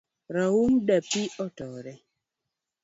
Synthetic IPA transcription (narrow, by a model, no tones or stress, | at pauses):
ɾauŋdapiɔtɔɾɛ